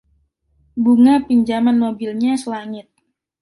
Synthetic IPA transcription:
buŋapiɲd͡ʒamanmobilɲasəlaŋɪt̪̚

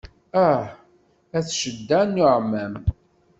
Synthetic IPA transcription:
æħ | æθʃəd̪ːænːʊʕmːæm

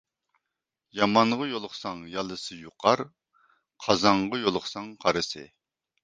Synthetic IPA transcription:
jɑmɑɴʁɑjolˠʊχsɑŋjɑlˠɨsɨjuqʰɑɾ | qʰɑzɑɴʁɑjolˠʊχsɑŋqʰɑɾɨsɨ̰

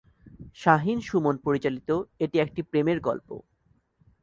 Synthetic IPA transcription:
ʃaɦinʃumonpoɾit͡ɕalit̪oeʈiek̚ʈipɾemeɾɡɔ̰lpo̰

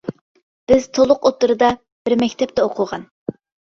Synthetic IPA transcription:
b̥ɪz̥t̪ʰolˠʊqot̪ːɨɾɨd̪ɑ | b̥ɪɾmɛkʲt̪ʰɛp̚t̪ɛoqʰʊʁɑn

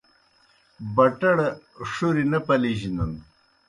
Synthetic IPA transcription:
bɐʈɐɽ | ʂuɾinɐpɐliʑinun

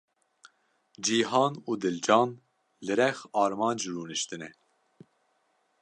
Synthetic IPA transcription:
d͡ʒiːɦɑːnuːd̪ɨld͡ʒɑːn | lɨɾɛxɑːɾmɑːnd͡ʒɾuːnɨʃt̪ɨnɛ

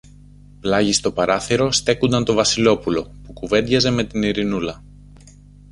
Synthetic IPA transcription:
plɐʝist̪o̞pɐɾɐθiɾo̞st̪e̞kund̪ɐnt̪o̞vɐsilo̞pulo̞pukuve̞nd̪ʝɐze̞me̞t̪iniɾinulɐ

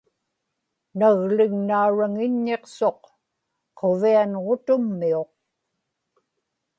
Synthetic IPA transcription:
naɣlɪŋnauɻaŋɪɲːe̞qso̞q | qʰovianʁo̞t̪ʊmːio̞q̚

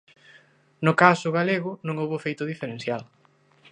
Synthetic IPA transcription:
nʊkasʊɣaleɣʊnõŋowβʊfejt̪ʊðifeɾen̟θjal

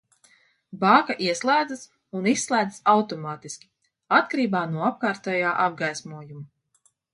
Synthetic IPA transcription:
baːkaʔiɛslˠæːd̪zas | unisːlˠæːd̪ɨsawt̪ɔmaːt̪iskʲi̥ | at̪kaɾiːbaːnuɔap̚kaːɾt̪ɛjaːʔab̚ɡajsmuɔjumu

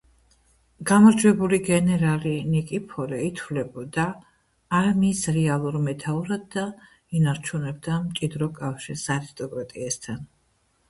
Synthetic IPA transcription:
ɡ̥amɔɾd͡ʒwɛbuliɡɛnɛɾalinikʼipʰɔɾɛit̪ʰvlɛbɔd̪aː | ɾmisɾɛalˠuɾmɛt̪ʰauɾad̪̚d̪a | inaɾt͡ʃʰunɛb̚d̪amt͡ʃʼid̪ɾɔkʼafʃiɾsaɾist̪ʼɔkʼɾat̪ʼiɛst̪ʰan

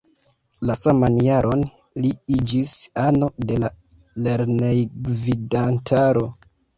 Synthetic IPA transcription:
lasamanjaɾʔo̞n | liid͡ʒisano̞de̞la | le̞ɾnejɡvidantʰaɾo̞

